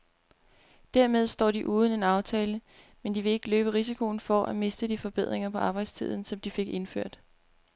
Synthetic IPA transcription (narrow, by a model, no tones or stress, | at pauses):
d̥æɐmeð̞ˠsd̥ɒ̰ːdiʔuːð̞ˠn̩e̝nɑ̈ʊt͡sʰɛːlə | mend̥iʋe̝e̝ɡ̥əløːb̥əʁis̬ikʰo̝ːnfɒʔæme̝sd̥əd̥ifɒ̽b̥eð̞̰ˠʁeŋɐpʰɒ̽ʔɑ̈ːb̥ɑ̈ɪd̥st͡sʰið̰ˠn̩sɒ̽md̥ife̝ɡ̥e̝nføɐ̰d̥